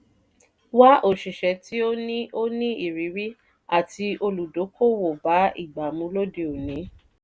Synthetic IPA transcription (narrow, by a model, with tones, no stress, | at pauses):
wa˦ʔo˦˨ʃi˨ʃɛ˨˦tʰi˦o˦nĩ˦o˦nĩ˦i˨ɾi˨˦ɾi˦ | a˦˨ti˧ʔo˧lu˨do˨˦kʰo˦wo˨ba˨˦ḭ˦˨ɡ͡ba˨mũ˨˧˦lo˦de˨o˨nĩ˨˦